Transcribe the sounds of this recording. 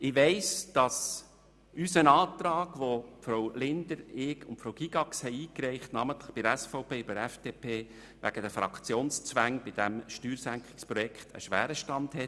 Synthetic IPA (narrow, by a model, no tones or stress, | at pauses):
ɪʋɛɪsd̥ɑs | ysənɑːt̪ɾɑːɡ̥ʋofɾowlɪnd̥̪əɾɪkʊntpfɾoʊɡ̥iɡɑkshɛɪiːkɾɛɪχtnɑmənt̪ləχb̥ɪdəɛsfɔʊpeːybəɛfd̥epʰeː | ʋæ̰ɡ̥ədəfɾɑ̰kʰt͡sjoːnst͡sʋæŋb̥ɪd̥æmʃtyːɾsæŋkχɪ̥kspɾɔjɛkʰχtʰə̰ʃʋæ̰ːɾəʃtɑndhɛ